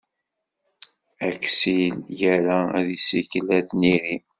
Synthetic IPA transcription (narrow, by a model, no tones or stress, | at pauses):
æksiljæɾææðisikəlæðniɾi